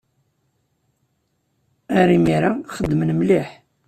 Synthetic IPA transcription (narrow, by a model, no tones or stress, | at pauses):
æɾimiɾaχəd̪ːmənmliħ